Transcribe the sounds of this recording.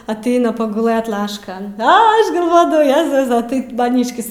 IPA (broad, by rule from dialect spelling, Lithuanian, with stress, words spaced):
ɐˈtʲɛɪnɐ pɐɡʊˈlˠɘt ˈlˠɑːʃkɐn ˈɐ ˈɐʃ ɡɐlˠˈʋoːdɐʋɐʊ ˈjæːzʊsɐ ˈtɐɪp mɐˈnʲiːʃʲkʲɪs